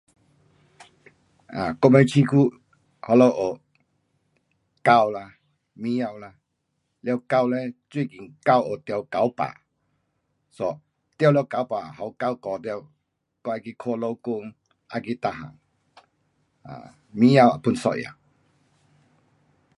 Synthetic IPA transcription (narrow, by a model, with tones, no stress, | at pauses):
a̰˨kɔ˧mɛ˧˦t͡ɕʰi˧kʰu˦ | hɔ˧lo˧˦wʔo˨˩ | ka˧wla˧ | mĩ˦ja˧wla˧ | lja˧ka˧wlɛ˦t͡swi˥˧˨ki˨ŋka˧˨wo˨t̪jɔ˧˩wka˨˦wpa̰˨ | sɔ˧ | t̪ja˧wljwka˨˦wpa˨hɔ˨˦wka˧˨wkɔ˨t̪jɛ˧˨w | kɔ˧a˧ki˧kʰo˧˨lo˧wku˧ŋ | ʔa̰˧ki˧t̪a˧˨ɦã̰˨ŋ | a̰˨ | mĩ˦ja˧˨wa˨pu˧˨nsɔ̰˧˨ʔja̰˨˩